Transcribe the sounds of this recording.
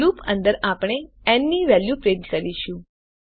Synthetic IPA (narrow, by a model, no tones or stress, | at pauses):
upə̃nd̪əɾapɳ̃eɛnːiʋɛljupɾẽɳʈkəɾiʃũ